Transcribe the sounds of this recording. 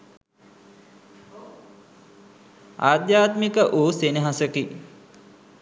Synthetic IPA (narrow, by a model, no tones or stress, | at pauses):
a̰ːd̪jaːt̪mikəʔuːseniɦasəki